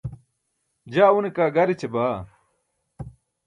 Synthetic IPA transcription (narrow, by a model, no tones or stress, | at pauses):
d͡ʑaːunekaːɡɐɾit͡ɕebaː